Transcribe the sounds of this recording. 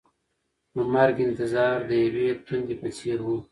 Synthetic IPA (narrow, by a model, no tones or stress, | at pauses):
pəmaɾɡɪnt̪ɪzɑːɾd̪əjawet̪ʰund̪epəseɾwu